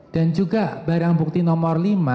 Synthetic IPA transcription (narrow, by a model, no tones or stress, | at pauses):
d̥and͡ʒuɡabaɾaŋbuk̚t̪inɔmɔrlima